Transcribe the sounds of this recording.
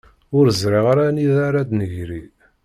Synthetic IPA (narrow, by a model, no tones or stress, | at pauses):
ʊɾzɾiʁaɾaniðaɾad̪nəʝɾi